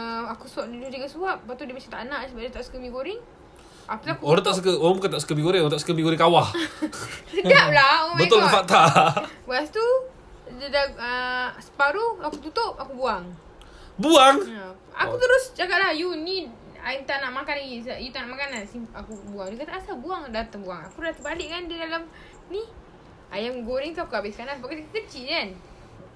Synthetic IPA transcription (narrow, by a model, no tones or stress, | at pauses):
əakusuaʔdidudiɡasuaʔ̚bat̪udimat͡ʃaŋt̪aʔnaʔsəbaʔdit̪aʔsə̥kəmikoɾɪŋ | aklakoɾãŋt̪aʔs̬əkəoɾãŋbukant̪aʔsə̥kəbikoɾɪŋoɾãnt̪aʔsə̥kəmbiɡoɾɪŋkawah | səɡap̚lahoabət̪ʊlməfat̪abast̪u | dədaəsə̥paɾuakut̪ut̪ʊp̚akubuaŋ | buaŋ | a̰kut̪əɾʊsd͡ʒakaʔlahjuni | at̪anaʔmakaniisjut̪anaʔmakanansiakubuaŋdikat̪aasabuaŋdat̪aŋbuaŋakulat̪əbalɪʔkandidalam | ni | ajamɡoɾɪŋt̪aakuabɪʔskadanbakakət͡ʃiʔkan